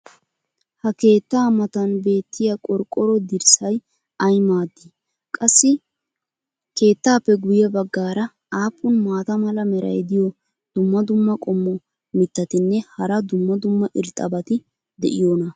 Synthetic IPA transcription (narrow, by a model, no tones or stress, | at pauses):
hɐke̞ːt̪ːaːmɐt̪ɐnbe̞ːt̪ːɪjakʼɔɾkʼːɔɾɔd̪ɪɾsɐj | ɐjmaːd̪ːɪ | kʼɐsːɪ | ke̞ːt̪ːaːpːɛɡʊjɛbɐɡːaːɾɐ | aːpʼːʊnmaːt̪ɐmɐlɐmɛɾɐ̰jd̪ɪjɔ | d̪̥ʊmːɐd̪ʊmːɐkʼɔmːɔ | mɪt̪ːɐt̪ɪnːɛhɐɾɐd̪ʊmːɐd̪ʊmːɐʔɪɾt̪ʼɐbɐt̪ɪ | d̪ɛ̰ʔɪjoːnɐ